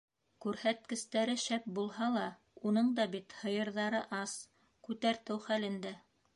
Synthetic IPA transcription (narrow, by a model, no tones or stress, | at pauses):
kʉɾhæt̪̚kɘ̆st̪æɾɘʃæp̚bulˠhɑlˠɑ | unɤɴd̪ɑbit̪hɤ̆jɤ̆ɾðɑɾɤʔɑs | kʉt̪æɾt̪ɘwχælɘ̆nd̪æ